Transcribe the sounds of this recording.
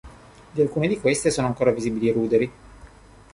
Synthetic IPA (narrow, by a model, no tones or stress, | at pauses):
d̪ialkuːned̪ikwest̪esoːnoaŋkoːɾaviziːbiliɾuːd̪eɾi